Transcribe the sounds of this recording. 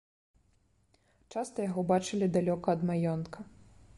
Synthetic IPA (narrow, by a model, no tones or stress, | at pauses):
t͡ʂast̪ɐjaɣɔbat͡ʂɨlʲid̪alʲɔkɐːd̪majɔnkʰɐ